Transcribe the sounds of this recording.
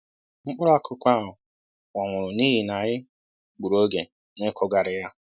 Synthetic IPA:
ŋ͡m̩˦k͡pʊ˦ɾa˦kʰʊ˦kʷa˦˨ɦʊ˨ | ŋʷɔ˨ŋʷʊ˨ɾʊ˨niː˦ɦi˨na˨ɣɪ˦ | k͡pu˨ɾo˦ɡe˨ | nɪ˦kʰɔ˦ɡa˨ɾɪ˨ja˦

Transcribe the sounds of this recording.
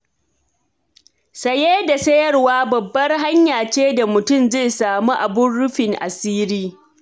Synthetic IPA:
sɐ˨jeː˦da˨sɐ˦jɐ˦rwaː˦bɐ˨bːɐ˦rɦa˦ɲjaː˨t͡ʃeː˦da˨mʊ˨tʊ˦˨mzeː˦˨saː˨mu˦ʔa˨bʊ˦nːʊ˦ɸɪ˨ŋʔa̰˨siː˦ɾiː˦

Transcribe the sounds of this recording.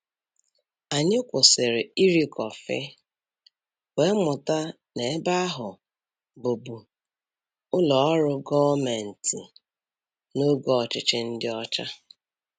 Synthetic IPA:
a˨ɲɪ˦kʷʊ˨sɪ˨ɾɪ˨i˦ɾi˦kɔ˨fɪ̰˦ | we˦mʊ˨ta˦ | ne˨˦ba˦ɦʊ˨ | bo˨bu˨ | ʊ˦lɔ˨ɔ˦ɾʊ˦ɡɔ˦me˨n̩˨ti˨ | no˦ɡɔ˦ɔ˨t͡ʃɪ˦t͡ʃɪ˦n̩˦dɪ˦ɔ˦t͡ʃa˦

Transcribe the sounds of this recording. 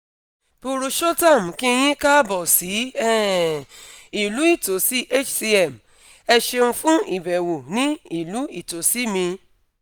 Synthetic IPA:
pu˧ɾu˧ʃo˦ta˦˨m̩˨ki˦˧˦j̃ĩ˦ka˦bɔ˨si˨˦ɛ˦˨ | i˨lu˨˦i˦˨to˨˦si˦ʔe˦t͡ʃsi˧ɛ˨m | ɛ˧ʃe˧ũ˧fũ˦i˨bɛ˨wo˨nĩ˦i˦˨lu˨˦i˦˨to˨˦si˦mĩ˧

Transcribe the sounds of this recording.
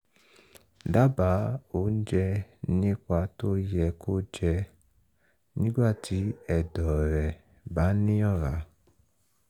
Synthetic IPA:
da˦ba˨˦o˦˨˦n̩˦d͡ʒɛ˧nĩ˦kʷa˧to˦jɛ˧ko˦d͡ʒɛ˧ | nĩ˦ɡ͡ba˦˨tʰi˨˦ɛ˦˨dɔ˨ɾɛ˨ | ba˨˦nĩ˦ɔ˦˨ɾa˨˦

